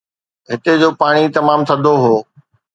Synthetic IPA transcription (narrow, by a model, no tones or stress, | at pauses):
ɦɪt̪ed͡ʑoːpaːɽ̃it̪ɐmaːmt̪ʰɐ̃d̪ʱoɦoː